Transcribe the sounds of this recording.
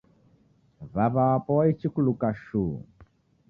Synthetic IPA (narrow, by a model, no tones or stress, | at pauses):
vaβaːpɔit͡ʃikulukaʃu